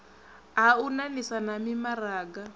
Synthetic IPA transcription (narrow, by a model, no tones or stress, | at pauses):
ɦaunanisanamimaraːɡa